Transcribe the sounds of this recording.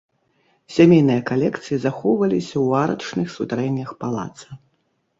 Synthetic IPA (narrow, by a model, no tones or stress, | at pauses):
sʲamʲejnɨjɐkalʲɛkt̪sɨjizaxɔwvɐlʲisʲɐwaɾɐ̰t͡ʂnɨxsut̪aɾɛnʲːɐxpalˠa̰t̪sɐ